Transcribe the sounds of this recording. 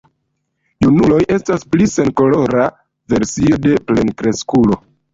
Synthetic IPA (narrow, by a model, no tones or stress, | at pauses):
junulo̞jʔe̞stasplise̞nko̞lo̞ɾa | ve̞ɾsio̞de̞ple̞nkɾe̞skulo̞